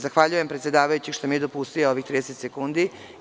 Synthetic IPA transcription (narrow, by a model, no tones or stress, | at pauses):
zaxʋaʎuje̞mpɾet̪sʲjed̪aːʋajut͡ɕiʃt̪omied̪o̞pust̪ijoo̞ʋixt̪ɾid̪eset̪sekund̪i